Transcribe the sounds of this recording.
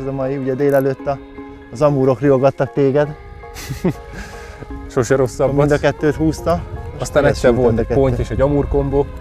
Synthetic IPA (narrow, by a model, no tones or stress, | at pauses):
zɒmɒjiuɟɛd̪eːlɛløːt̪ːɒː | zɒmuːɾo̞krioɡɒt̪ːɒk̚t̪eːɡɛd̪ | ʃoʃɛɾo̞sːɒbmind̪ɒkɛt̪ːøːt̪huːst̪ɒɒst̪aːnɛsːɛɾvolnt̪kɛpo̞ɲteːʃɛɟɒmuːrko̞mboː